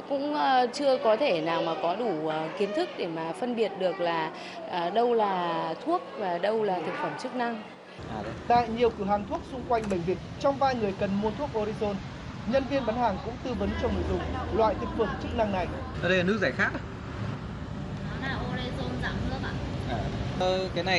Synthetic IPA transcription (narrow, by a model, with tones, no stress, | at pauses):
kʊ̰˧˥ŋ͡mt͡ɕɨ˧əkɔ˨˦t̪ʰe˧˩naː˨˩wmaː˨˩kɔ˨˦ɗu˧˩˨ki˨˦ənt̪ʰɨ˦˥k̚ɗe˧˩maː˨˩fə˧nɓi˨˩ət̚ɗɨ˨˩ək̚laː˨˩ | ʔəː˨˩ɗə˧wlaː˨˩t̪ʰu˦˥ək̚vaː˨˩ɗə˧wlaː˨˩t̪ʰɨ˨˩k̚fə˧˩mt͡ɕɨ˦˥k̚na˧ŋ | aː˨˧t̪a̰ː˧˨jɲi˨˩əwkɨ˧˩wɦaː˨˩ŋt̪ʰu˦˥ək̚sʊ˧ŋ͡mkwa˧jŋ̟ɓä˧˩jŋ̟vi˨˩ət̚t͡ɕɔ˧wŋ͡mvaː˧jŋɨ˨˩əjkə˨˩nmu˧ət̪ʰu˦˥ək̚ʔo˧ɾi˧zo˧n | ɲə˧nvi˧ənɓaː˨˦nhaː˨˩ŋkʊ̰˧˥ŋ͡mt̪ɨ˧və˨˦nt͡ɕɔ˧wŋ͡mlṵ˧˨zʊ˨˩ŋ͡m̚lwa̰ː˧˨jt̪ʰɨ˨˩k̚fə˧˩mt͡ɕɨ˦˥k̚na˧ŋna˨˩j | ɗə˧jla˨˩ɨ˦˥k̚zaː˧˩jxaː˦˥k̚ | o˧i˧zo˧nzaː˧˩mɨ˧əɓa̰ː˧˨ʔaː˨˩kaː˨˦jna˨˩